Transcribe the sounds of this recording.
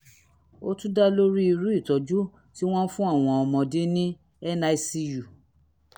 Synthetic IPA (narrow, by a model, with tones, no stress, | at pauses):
o˦tũ˦da˦lo˦ɾi˦i˧ɾu˦i˦˨tɔ˨˦d͡ʒu˦ | ti˦w̃ɔ̃˦fũ˦a˦˨w̃ɔ̃˧ɔ˧mɔ̃˧de˦nĩ˦ | ɛ˦na˧i˧si˧ju˨